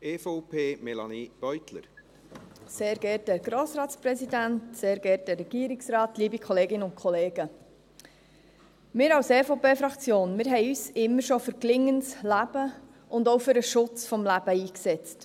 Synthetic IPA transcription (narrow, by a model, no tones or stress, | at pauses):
ɛfɔʊpʰeːmɛlɑ̰nib̥œʏt̪lə̰ɾ | seːɾɡɛɾtdɛɾɡ̥ɾoːsɾɑːtspɾɛsidæntseːɾɡ̥ɛɾt̚dɛrːɛɡ̥iːɾiksrɑːtliːbikʰɔleːɡɪnəʊntkʰχɔleːɡ̥ə | mɪːɾɑwsɛːfoʊpeːfɾɑkt͡sjoːnmɪːɾɦɛɪyːsɪmːəɾʃɔfɵɾklɪŋːənslæb̥ə | ʊndɔwfʏɾəʃʊt͡sfɔmlæb̥əiːksɛt͡st